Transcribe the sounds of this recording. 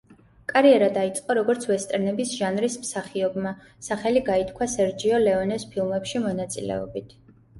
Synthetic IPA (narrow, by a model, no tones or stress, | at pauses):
kʼaɾiɛɾad̪ait̪sʼqʼɔɾɔɡɔɾt̪sʰvɛst̪ʼɛɾnɛbisʒanɾismsaχiɔbma | saχɛliɡait̪ʰkʰwasɛɾd͡ʒiɔlɛɔnɛspʰilˠmɛpʃimɔnat̪sʼḭlɛ̰ɔbit̪ʰ